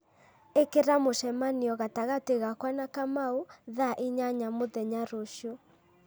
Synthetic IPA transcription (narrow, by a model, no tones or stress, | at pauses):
ekeɾamoʃɛmaniɔɣataɣateɣakwanakamauðaʔiɲaɲamoðɛɲaɾoʃo